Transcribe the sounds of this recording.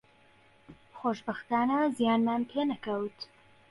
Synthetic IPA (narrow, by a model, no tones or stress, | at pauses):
xoːʃbɐxt̪aːnɐzijaːnmaːnpʰeːnɐkɐwt̪